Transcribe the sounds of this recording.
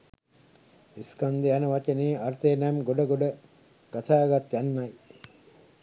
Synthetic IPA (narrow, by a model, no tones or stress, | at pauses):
iskand̪ejanəʋat͡ʃeniːaɾt̪eːnæmɡoɖəɡoɖə | ɡ̥at̪ʰaːɡat̪janːaj